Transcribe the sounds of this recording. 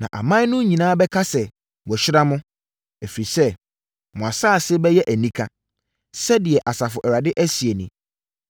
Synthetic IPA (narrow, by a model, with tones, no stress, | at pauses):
nã̰˨ʔa̰˨mã˦nʊ̃˦ɲĩ˨nãː˦bɛ˦kʰa˦sɛ˨ | wɔ˨ɕᶣɪ˦ɾa˦mʊ̃˦ | æ˨fi˨ɾi˨sɛ˦ | mʊ̃˨a˨sa˦˨sɪ˦bɛ˦jɛ˦ʔæ˨nĩ˦kʰa˦ | sɛ˦dɪ˨ɛ˨ʔa˨sa˨fʊ˨ʔɛ˨ɾa˨dɪ˦ʔæ˦si˨e˨nĩ˨